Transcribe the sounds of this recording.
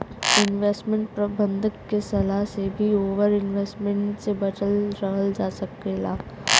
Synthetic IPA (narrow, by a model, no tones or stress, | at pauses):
ɪnʋeːsʈmɛ̃ɳʈpɾɐbə̃nd̪ʱəkkːesɐlaɦsebʱioːʋəɾɪnʋeːsʈmɛ̃ɳʈsebɐd͡ʒəlɾɐɦəld͡ʒaːsɐkeːlaː